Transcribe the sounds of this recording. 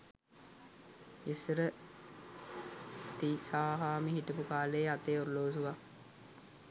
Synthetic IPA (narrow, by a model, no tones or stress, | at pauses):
isɾə | t̪isaːɦaːmiɦiʈəpukaːləːat̪eːoɾloːsuʋa